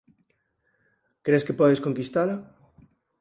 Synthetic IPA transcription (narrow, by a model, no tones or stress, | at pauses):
kɾeskepɔðeskoŋkist̪ala